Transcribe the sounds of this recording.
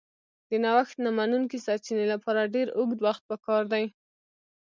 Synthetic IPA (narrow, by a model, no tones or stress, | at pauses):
d̪̥ənawaxt̪namanunkisat͡ʃinelapɑɾaɖeɾʊɡd̪waxt̪̚pəkɑɾd̪aj